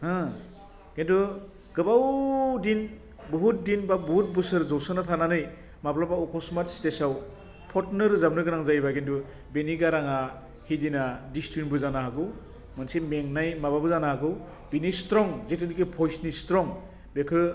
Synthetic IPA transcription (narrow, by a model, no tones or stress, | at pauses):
hɯ̃ | ɡentu | ɡɯbawdin | buɦut̚dinbabuɦut̚bɯsɯɾzɔwsɯnatʰananɯj | maplabaukʰɔsmatstesaw | pʰɔtnɯɾzabnɯɡɯnaŋzajbaɡentu | beniɡaɾaŋa | hidinadistɾinbɯzanaɦaɡɯw | mɯnsemeŋnajmababɯzanahaɡɯw | binistɾɔŋzetɯnikipʰɔjsnistɾɔŋ | bekʰɯ